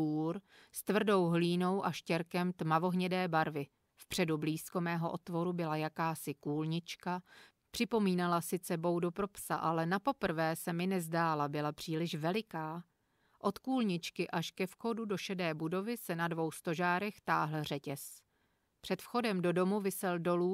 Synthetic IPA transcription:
uːɾ | st̪vr̩do̞wɦliːno̞wʔaʃcɛɾkɛmt̪mavo̞ɦɲɛdɛːbaɾvɪ | fpr̝̥ɛdubliːsko̞mɛːɦo̞ʔo̞t̪vo̞ɾubɪlajakaːsɪkuːlɲɪt͡ʃka | pr̝̥ɪpo̞miːnalasɪt͡sɛbo̞wdopɾo̞psaʔalɛnapo̞pr̩vɛːsɛmɪnɛzdaːlabɪlapr̥iːlɪʃvɛlɪkaː | ʔo̞t̪kuːlɲɪt͡ʃkɪʔaʃkɛfxo̞dudo̞ʃɛdɛːbudo̞vɪsɛnadvo̞wst̪o̞ʒaːɾɛxt̪aːɦl̩r̝ɛcɛs | pr̝̥ɛt̪fxo̞dɛmdo̞do̞muvɪsɛldo̞luː

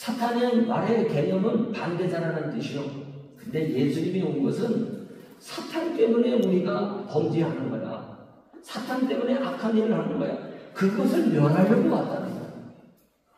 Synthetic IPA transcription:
sʰatʰaɲema̰ɾe̞ke̞ɲʌmɯnpande̞d͡ʑaɾanɯnt͈ɯɕʰiokɯnde̞je̞sʰuɲimioɯnɡʌsʰɯn | sʰatʰant͈e̞mune̞uɾiɡakʌmd͡ʑiɦanɯnɡʌja̰ | sʰatʰant͈e̞mune̞ʔakʰanjeɾɯɭhanɯnɯnɡʌ̰ja̰kɯɡʌsʰɯɭmjʌɾɦaɾjʌɡokat̚t͈anɯ̰ɲo̰

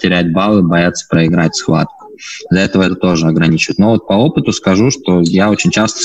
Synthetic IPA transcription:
tʲɪɾʲætʲbalˠɨbɐjat̪sːə̥pɾəɪɡɾatʲsxva̰t̪̚kʊ̥ | d̪lʲɐɛt̪əvəɛt̪ət̪o̞ʐɨɐɡɾɐnʲit͡ɕɪvət̪ʲno̞vo̞t̪̚pɐo̞pɨt̪ʊskɐʐuʂt̪o̞jao̞t͡ɕɪnʲt͡ɕast̪ə̥

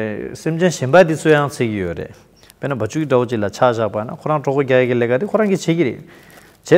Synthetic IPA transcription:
semt͡ɕenɕembat̪it͡sʰøjaŋt͡sʰeːkijøɹḛʔ | penabat͡ɕʰuiʈ͡ʂawot͡ɕiʔlat͡ɕʰaɕaʔpajina̰kʰoɹaŋʈ͡ʂɔpoɡajakileʔkat̪ikʰoɹaŋɡit͡ɕʰeːkiɾḛʔ | t͡ɕɛ

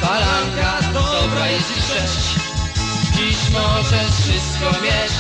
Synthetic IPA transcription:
baɾaŋkad̪ɔɔbɾajɛst̪ʂɛɕt͡ɕ | pʲiɕmɔʐɛfʂɨst̪̚kɔmʲjɛ

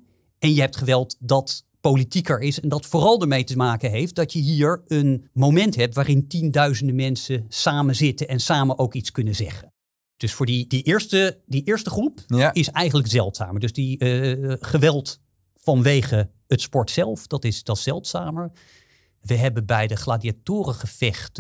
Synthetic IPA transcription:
ɛnjəɦɛp̚tχəʋɛlˠtdɑt | powlitikəɹɪsɛndɑtfʊːrɑlˠdəɹmejtəmaːkənɦejft̚d̥ɑtjəɦiːɹənmowmɛntɦɛp̚tʋaːrɪntindœɥzəndəmɛnsəsaːmənzɪtənɛnsaːmənʔowkitskɵnəzɛ̰χən | d̥ɵsfʊːɹdidiʔɪːɹstədiʔɪːɹstəχrupɪsɛjχənləkzɛlˠtsa̰ːməɹdɵzdi | χəʋɛlˠt | fɑnʋejχə | ətspɔɹtsɛlˠfd̥ɑtɪsdɑtsɛlˠtsaːməɹ | ʋəɦɛbənbɛjdəχlaːdiatʊːrəχəv̥ɛχt

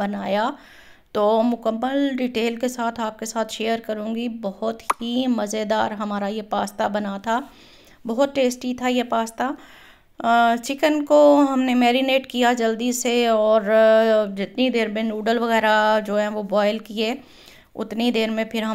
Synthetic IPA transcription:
bɐnaːja | t̪oːmʊkəmːəlɖɪʈeːlkesaːt̪ʰaːp̚kesaːt̪ʰʃeːjəɾkɐɾũːɡibɔɦʊt̪himɐzed̪aːɾɦɐmaːɾajepaːst̪abɐnat̪ʰa | bɐɦʊt̪ʈeːsʈit̪ʰajepaːst̪a | t͡ʃɪkənkoɦɐmnemɛːɾɪneːʈkijad͡ʒɐld̪iːsːeɔːɾd͡ʒɪt̪nid̪eːɾmẽnuːɖəlʋɐɣɛːɾad͡ʒoːɦɛ̃ʋobɔːɪlkieː | ʊ̰t̪nid̪eːɾmẽpʰɪɾɦɐ

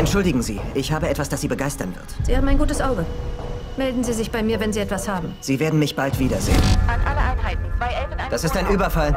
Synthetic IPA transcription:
ʔɛntʃʊldɪɡŋ̩zḭːɪçhaːbəɛtv̥asd̥asz̥iːbəɡaɪstɐnvɪ̰ɐtz̥iːhaːbm̩aɪnɡuːtəsʔaʊɡə | mɛldn̩ziːzɪçb̥aɪmiːɐvɛnziːɛtv̥ashaːbm̩z̥iːveːɐdn̩mɪçb̥altv̥iːdɐzḛːənanʔaləʔaɪnhaɪtn̩v̥aɪd̥asɪstaɪnʔyːbɐfal

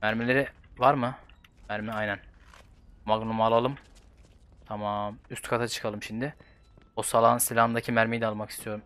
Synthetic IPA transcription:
mæɾmelʲe̞ɾɪvaɾmɯmæɾmɛajnæn | maɡnumalˠalˠɯm | t̪ʰamaːmyst̪kʰat̪ʰat͡ʃʰɯ̥kʰalˠɯmʃimd̪ɪ | osalˠaːnsilʲamd̪acʰimæɾmejid̪ɛalˠmakʰist̪ʰijo̞ɾum

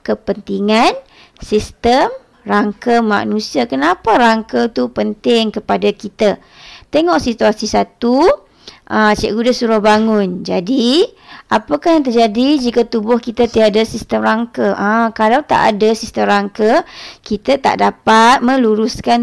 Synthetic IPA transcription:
kəpənt̪iŋan | sist̪əm | raŋkəma̰nũsiakənapaɾaŋkət̪upənt̪ɪŋkəpadakit̪a | t̪eŋɔʔsit̪uasisat̪u | ʔət͡ʃḭʔɡudasuɾahbaŋʊnd͡ʒadiʔapakahjaŋt̪ərd͡ʒadid͡ʒikat̪ubʊhkit̪at̪iadasist̪əmɾaŋkəʔəkalawt̪a̰ʔa̰dasist̪əmɾaŋkəkit̪at̪a̰ʔdapat̪̚mə̃luɾuskan

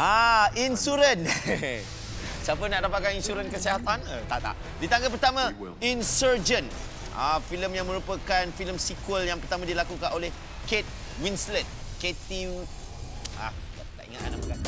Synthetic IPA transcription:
ainsuɾən | siap̬ənaʔdapat̪̚kaninsuɾənkəsiɦat̪anət̪aʔt̪a̰ʔ | dit̪aŋɡapərt̪amã | insərd͡ʒən | ʔa̰filəmjaŋmə̃ɾupəkanfiləmsikwəljaŋpərt̪amãdilakukanoleh | ket̪̚ | winslənket̪i | a̰t̪at̪a̰ʔḭŋat̪a̰naʔpəka

